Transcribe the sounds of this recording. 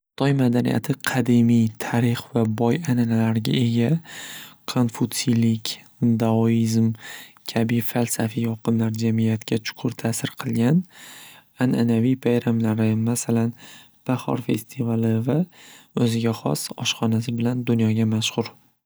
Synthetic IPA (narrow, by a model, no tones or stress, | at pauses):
χɨ̥t̪ʰɒjmad̪anḭja̰t̪ʰɪqʰɑd̪imijt̪ʰaɾɪχvabɒjananalaɾɡʲa̰e̞ɡʲa | kʰonfut̪silɪkʲ | d̪aoizmkʲʰabɪfalsafijɒqɨnlaɾd͡ʒamijat̪kʲʰat͡ʃʰʊ̥qʰʊɾt̪ʰasɪɾqʰɨlˠɡʲan | ananavijpʰajɾamlaɾɪmasalan | b̥ahɒ̰ɾfe̞̰st̪ʰivalɪvaɵzɪɡʲaχɒ̰sɒʃχɒnas̬ɪbɪland̪ʊnjɒɡʲamaʃhʊɾ